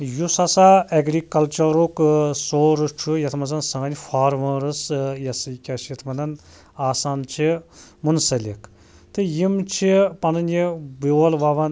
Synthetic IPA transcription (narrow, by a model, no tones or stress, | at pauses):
jusɐsaɐɡɾikɐlt͡ʃɐɾuksoːɾɨt͡ʃʰujɐt̪ʰmɐnzɐnsɐ̃ɡɐnʲfaːɾʋɐ̃ːɾɨsjɐsɐkʲaːt͡ʃʰjɐt̪ʰmɐnɐn | aːsaːnt͡ʃʰimunsɐlʲik | t̪ɨjimt͡ʃʰipɐnɐnjibiɐlʋaʋɐn